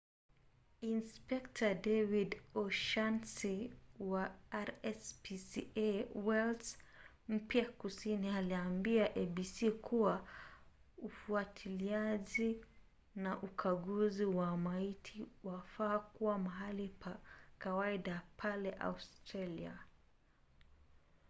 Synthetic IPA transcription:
inspɛktʰadɛvidɔʃansiwaaɾɛspisiewɛls | m̩pjakusinialiambiaʔeɓisikʰuwa | ufuatʰiliaʄi | naʔukʰaɠuziwamaitʰiwafaːkuwamaɦalipʰakawaiɗapʰalɛʔa̰ustɾalia̰

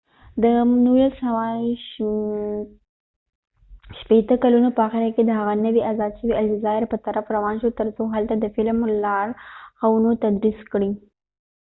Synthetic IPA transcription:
d̪ənulasawɑ | ʃpet̪əkalunopəɑxɪɾaked̪əɦaɣanəwiʔazɑd̪ʃəwiald͡ʒɪzɑɪɾpət̪aɾafɾawɑnʃot̪əɾsoɦalt̪ad̪əfɪlmlɑɾxawunot̪ad̪ɾiskɽi

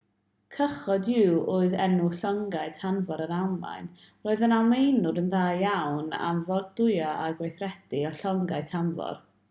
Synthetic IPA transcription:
kʰəχɔdɪwʔʊːɨðɛnuɬɔŋɡaɨtʰanvɔɾənamla̰jn | roːɨðənawmejnʊɾənðaːjjawna̰mvɔrddʊjaʔaɡwejθrɛd̥iɔɬɔŋɡaɨtʰanvɔ̰r

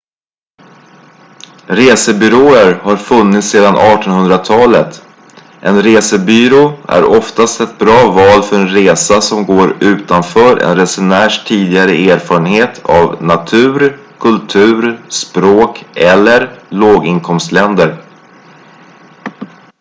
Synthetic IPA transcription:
ɾeːsəbʏɾoːəɾhaɾfɵnːɪt̪seːd̪anʔɑːʈɔnhɵnd̪ɾat̪ʰɑːlət̪ | ʔɛnɾeːsəbyːɾoæ̰ɾɔft̪ast̪ɛt̪̚bɾɑːvɑːlfœɾɛnɾeːsasɔmɡoːɾʉ̟ːt̪anfœːɾɛ̰nɾɛsʊnæːʂʈʰiːd̪ɪɡaɾəeːɾfɑːɾənheːt̪ʰa̰vnat̪ʰʉ̟ːɾkʰɵlt̪ʰʉ̟ːɾspɾoːkʔɛlːəɾloːɡɪnkʰɔmst̪lɛnd̪əɾ

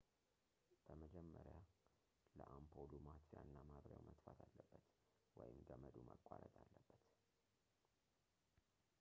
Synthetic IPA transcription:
b̥əməd͡ʒɛmːəɾja | ləʔampʰolumat̪janːamaβɾja̰wmʔət̪fat̪ʰalːəbːət̪ | wɔjɪmɡəməd̪uməkʷʼːaɾət̪ʼalːəbːəb̪t

